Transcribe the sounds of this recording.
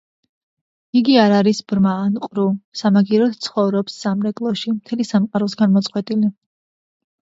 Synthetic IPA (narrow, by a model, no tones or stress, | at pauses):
iɡiaɾaɾisb̥ɾmaːnqʼɾusamaɡiɾɔt̪t̪sʰχɔvɾɔpsːamɾɛkʼlˠɔʃimt̪ʰɛlisamqʼaɾɔsɡanmɔt̪sʼqʼwɛt̪ʼili